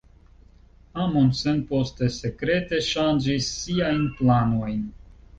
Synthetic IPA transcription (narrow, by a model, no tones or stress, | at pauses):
amonsenpo̞st̪e̞se̞kɾe̞te̞ʃand͡ʒisːiajnplano̞jn